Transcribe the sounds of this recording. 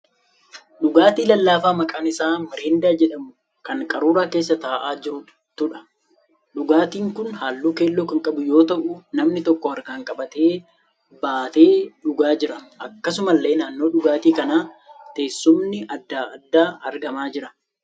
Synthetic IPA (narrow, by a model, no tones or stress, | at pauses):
ɗʊɡaːt̪iːlɐlːaːfaːmɐkʼaːnɪsaːmɪɾeːnd̪aːd͡ʒɛᶑɐmʊ | kɐŋkʼɐɾuːɾaːke̞ːs̬ːɐt̪aːʔaːd͡ʒɪɾʊ | t̪ʊᶑɐ̥ | ɗʊɡaːt̪iːŋkʊnhaːlːuːke̞ːlːoːkɐŋkʼɐbʊjo̞ːt̪ɐʔʊnɐmnɪt̪ɔkːɔɐɾɡaːŋkʼɐbɐt̪e̞ː | baːt̪e̞ːᶑʊɡaːd͡ʒɪɾɐʔɐkːɐsʊmɐlːe̞ːnaːnːo̞ːᶑʊɡaːt̪iːkɐnaː | t̪e̞ːsːʊmnɪʔɐd̪ːaːɐd̪ːaːɐ̰ɾɡɐmaːd͡ʒɪɾɐ